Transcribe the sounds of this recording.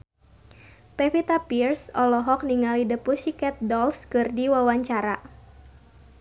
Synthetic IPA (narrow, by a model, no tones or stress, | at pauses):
pɛfit̪apirsɔlɔɦɔk̚niŋalidəpusikɛt̪̚dɔlskɨrdiwawaɲt͡ʃaɾa